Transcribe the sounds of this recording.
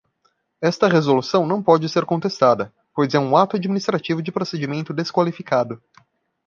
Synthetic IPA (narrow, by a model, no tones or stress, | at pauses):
ɛst̪ɐʁezolusɐ̃w̃nɐ̃w̃pɔd͡ʒɪseɾkõnt̪est̪ad̪ɐ | pojzɛũat̪ʊad͡ʒminist̪ɾat͡ʃivʊd͡ʒɪpɾosed͡ʒimẽnt̪ʊd̪eskwalifikad̪ʊ